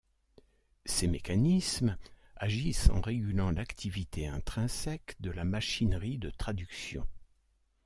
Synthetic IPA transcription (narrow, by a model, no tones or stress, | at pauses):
semekanism | aʒisɑ̰̃ʁeɡʲylɑ̃lakt̪ʰivit̪ʰeɛ̃t̪χɛ̃sɛkd̪əlamaʃinʁid̪ət̪χad̪yksjɔ̰̃